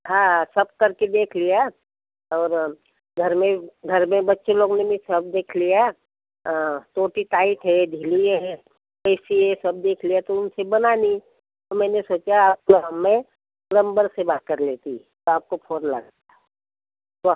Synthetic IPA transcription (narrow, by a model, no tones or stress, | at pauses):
ɦãːɦsɐb̚kɐɾked̪eːkʰlija | ɔːɾ | ɡʱɐɾmẽɡʱɐɾmẽbɐtːʃeloːɡnebʱĩsɐb̚d̪eːkʰlijã | t̪oːʈit̪aːɪt̪ɦɛd̪ʱilieɦɛ | pɛːsiesɐb̚d̪eːkʰlijat̪oʊnsebɐnani | t̪omɛ̃ːnesoːt͡ʃaaːp̚ɦmːẽ | lə̃mbəɾsebaːt̪̚kɐɾleːt̪ḭt̪oaːp̚kopʰoːnlɐ̰ɡat̪a | t̪o